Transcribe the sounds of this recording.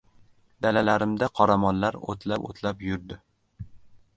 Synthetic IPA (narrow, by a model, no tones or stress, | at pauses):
d̪alalaɾɪmd̪aqʰɒɾamɒnlaɾo̰t̪ʰlapo̰t̪ʰlapjʊɾd̪ɪ